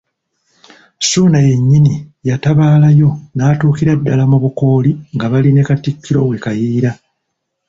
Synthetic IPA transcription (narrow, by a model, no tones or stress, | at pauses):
suːnaje̞ɲːinijataβaːlajo̞naːtuːkiɾadːalamuβuko̞ːliŋɡaβaline̞katikːiɾo̞we̞kajiːɾa